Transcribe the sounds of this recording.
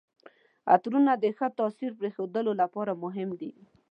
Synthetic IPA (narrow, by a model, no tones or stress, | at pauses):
a̰t̪ɾunad̪əxət̪ɑsiɾpɾexod̪əlolapɑɾamʊɦɪmd̪i